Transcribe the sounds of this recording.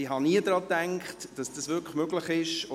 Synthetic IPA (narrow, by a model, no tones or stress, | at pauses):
iɦɑniəd̥ɾɑːtæŋkχtd̥ɑsd̥ɑsʋʏkmøɡləχɪʃo